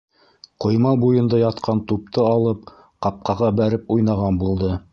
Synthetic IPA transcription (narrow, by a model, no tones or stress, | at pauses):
qŏjmɑbujɤ̆nd̪ɑjɑt̪qʰɑnt̪up̚t̪ɤɑlˠɤp | qɑp̚qɑʁɑbæɾɘpujnɑʁɑnbulˠd̪ɤ